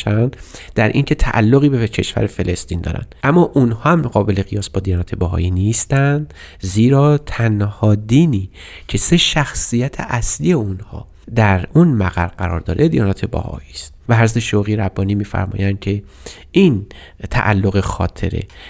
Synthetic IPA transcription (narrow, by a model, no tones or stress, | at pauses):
ænd̪d̪æɾʔiːŋcʰe̞t̪ʰæʔæ̰lːoɣiːbecʰe̞ʃvæ̰ɾefe̞le̞st̪iːnd̪ɒ̰ːɾæ̰nd̪̥ʔæmːɒːʔunhɒːhæmːɣɒːbe̞le̞ɣijɒːsbɒːd̪ijɒːnæːt̪ʰe̞bæɦɒ̰ːjiːniːst̪ænd̪ | ziːɾɒːt̪ʰænhɒːd̪iːniː | cʰe̞se̞ʃæxsijæt̪ʰḛʔæsliːje̞unhɒ̰ː | d̪æɾunmæɣæɾɢæɾɒ̰ːɾd̪ɒːɾed̪ijɒːnɒːt̪ʰebæ̰hɒ̰jiːst̪̚væhæɾzæt̪ʰeʃoɣiɾæbːɒːniːmiːfæ̰ɾmɒ̰ːjænd̪̥̚cʰe̞ | iːn | t̪ʰæ̰ʔælːoɣexɒːt̪ʰe̞̰ɾe̞̰